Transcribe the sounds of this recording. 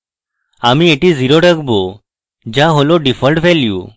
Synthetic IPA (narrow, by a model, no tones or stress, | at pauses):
amiːeʈid͡ziɾoʈəkbo | d͡ʑaɦoloɖifəlʈʋɛljṵ